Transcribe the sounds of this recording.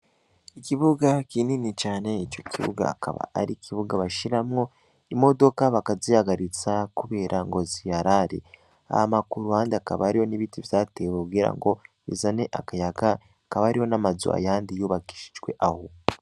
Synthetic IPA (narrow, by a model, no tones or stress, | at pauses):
iciβuɡakininit͡ʃaːneit͡ʃo̞ciβṵɡa̰kʰa̰βa̰aɾicʰiβuɡaβaʃiɾamŋo̞ | imo̞do̞kaβakazijaɡaɾit͡sakuβe̞ːɾʔaŋɡo̞zijaɾaɾḭ | a̰hamakuɾuhaːndiaka̰βaaɾijo̞niβitivjaːtewoɡiɾa̰ŋɡo̞ | ḭzaneʔa̰kajaɡa | kaβaɾiho̞namazṵa̰jaːndijuːβaki̥ʃi̥ʒwe̞̰ʔaho